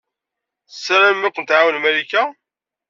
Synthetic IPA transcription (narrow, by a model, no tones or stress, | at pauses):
θsːɾæmːakʷənt̪ʕawəlmælikːa